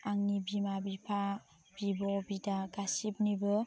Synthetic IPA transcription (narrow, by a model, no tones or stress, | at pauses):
aŋnibimabipʰa | b̥ibɔbidaɡasip̚nibɯ